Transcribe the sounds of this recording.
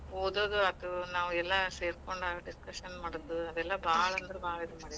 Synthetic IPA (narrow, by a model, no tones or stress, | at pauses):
ɦoːd̪oːd̪uɐd̪unaːʋuɛlːɐseːɾkoɳɖɐɖiskɐʂɐnmaːɽod̪uɐd̪ɛlːɐbaːɭɐɐnd̪ɐɾebaːɭɐid̪umɐːɽi